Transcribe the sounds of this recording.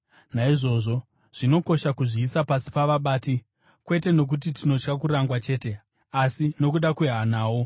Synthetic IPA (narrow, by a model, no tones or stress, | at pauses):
naiʐo̞ːʐo̞ | ʐ̥ino̞ko̞ʃakuʐiːsapasi̥paʋaɓaːti | kwe̞t̬e̞no̞k̬ut̬itino̞t͡ʃkak̬uɾaŋɡwat͡ʃe̞ːte̞ | asino̞kuɗakweɦanaːwo̞